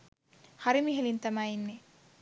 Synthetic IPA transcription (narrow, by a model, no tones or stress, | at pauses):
hɐɾimiɦelint̪ɐmaːinːe